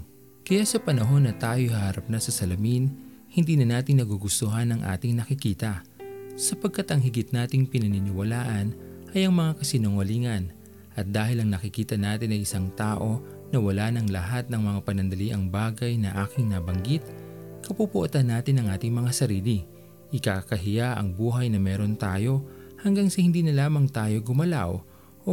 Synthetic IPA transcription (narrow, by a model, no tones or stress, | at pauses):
kɐjasɐpɐnɐɦo̞nːɐt̪aːjohahaɾɐp̚nɐsɐsɐlɐmin | hɪnd̪iːnɐnaːt̪ɪŋnɐɡuɡʊst̪oɦɐnɐŋʔa̰ːt̪ɪŋnɐkɪkiːt̪ɐ | sɐpɐɡ̚kat̪ɐŋɦɪɡɪt̪naːt̪ɪŋpɪnɐnɪnɪwɐlaːʔɐnʔɐjʔɐŋmɐŋakɐsɪnoŋɐliːŋɐn | ʔɐt̪̚d̪aːhɪlɐŋnɐkɪkiːt̪ɐnaːt̪ɪnɐŋʔɪsaŋt̪aːʔo̞ | nɐwɐlaːnɐŋlɐɦat̪̚nɐŋmɐŋapɐnɐnd̪ɐliʔɐŋbaːɡɐjnɐʔaːkɪŋnabɐŋɡɪt̪̚kɐpupʊʔot̪ɐnːaːt̪ɪnɐŋʔaːt̪ɪŋmɐŋasɐɾiːli | ʔɪkaːkɐɦɪjaʔɐ̰ŋbuːɦɐjnɐmɛːɾo̞nt̪aːjo̞hɐŋɡaŋsɐhɪnd̪iːnɐlaːmɐŋt̪aːjo̞ɡʊmɐla̰w | ʔo